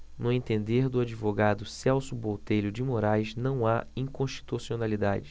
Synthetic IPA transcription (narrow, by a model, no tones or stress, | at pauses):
nʊẽt̪ẽnd̪eɾd̪ʊad͡ʒivoɡad̪ʊsɛwsʊbowt̪ejʎlʊd͡ʒɪmoɾajznɐ̃w̃aĩkõʃt͡ʃi̥t̪usionalid̪a̰d͡ʒɪ